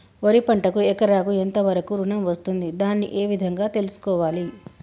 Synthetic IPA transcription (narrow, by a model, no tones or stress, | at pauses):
oɾipɐɳʈɐkuɛkɐɾaːkuent̪ɐʋɐɾɐkuɾunɐmʋɐst̪und̪id̪aːnːiʔeːʋid̪ʱɐŋɡaːt̪e̞lusu̥kɔːʋaːli